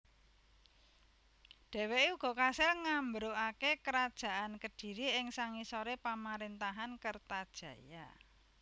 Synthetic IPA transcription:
ɖ̥ɛ̤weʔuɡ̥ɔ̤kasɪlŋambɾoakekəɾad̥ʒ̥a̤ʔankəd̥i̤ɾiɪŋsaŋisoɾepamaɾent̪aɦankərt̪ad̥ʒ̥ä̤ja

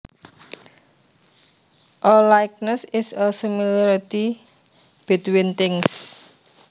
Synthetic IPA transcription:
ʔɔlajk̚nəsɪsəsimilaɾit̪i | b̥ɪt̪wɪnt̪ɪŋs

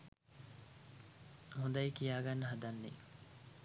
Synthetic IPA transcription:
hund̪ɐikijaːɡɐnːɐɦɐd̪ɐnːḭ

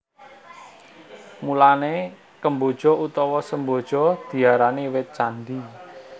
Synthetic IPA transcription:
mulane | kəmbo̤d̥ʒ̥ɔ̤ut̪ɔwɔsəmbod̥ʒ̥ɔd̪̥i̤aɾanewɪt̪̚t͡ʃand̪i

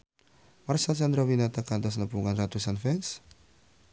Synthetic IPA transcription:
marsasand̪ɾawinat̪akant̪as̬nabuŋanrat̪usanfɛns

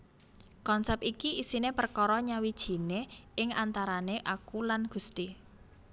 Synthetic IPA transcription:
kɔnsɛpikiisinepərkɔɾɔɲawid̥ʒ̥i̤neɪŋant̪aɾaneʔakulanɡ̥ṳst̪i

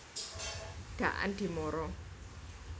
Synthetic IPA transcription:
ta̰ʔa̰ntimɔɾɔ

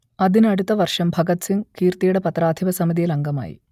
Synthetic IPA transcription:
ɐðinɐɽut̪ːɐʋɐrʂɐmbʱɐɡɐt̪siŋkiːrt̪ijuɽepɐt̪raːd̪ʱiʋɐsɐmiðijɐlɐŋɡɐma̰ːjḭ

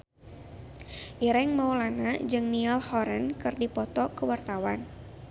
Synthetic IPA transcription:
ʔiɾɛŋmawlanad͡ʒɨŋnialhɔɾɛnkɨrdipɔt̪ɔkəwart̪awan

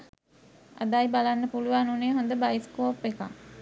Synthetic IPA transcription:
a̰d̪aːibalanːəpuluʋanuneːɦond̪əbaiskoːpːeka̰ŋ

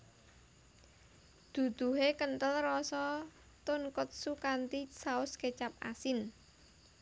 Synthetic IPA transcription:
d̪̥ṳd̪̥ṳɦekənt̪əlrɔsɔ | t̪ʊnkʊt̪̚sukant̪isaʊsket͡ʃap̚a̰sɪn

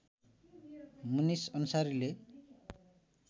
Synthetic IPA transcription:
munisʌnusaɾile

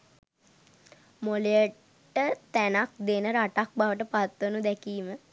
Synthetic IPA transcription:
molejə | ʈət̪ænak̚d̪enəɾaʈak̚baʋəʈəpat̪ʋənud̪ɛkiːmə

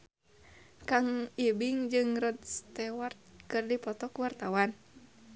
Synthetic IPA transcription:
kaŋibiŋd͡ʒɨŋrɔd̪st̪ɛwart̪̚kɨrdipɔt̪ɔkuwart̪awan

